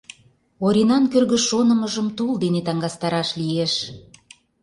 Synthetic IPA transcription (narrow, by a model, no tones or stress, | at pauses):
oɾʲinɑnkørɣə̆ʃonə̆mə̆ʒəmt̪uld̪enet̪ɑŋɡɑst̪ɑɾɑʃlijeʃ